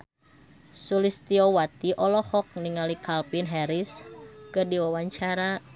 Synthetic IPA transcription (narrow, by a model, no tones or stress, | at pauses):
sulist̪iɔwat̪iʔɔlɔhɔk̚niŋalikʰalpinɦɛɾiskɨdiwawaɲt͡ʃaɾa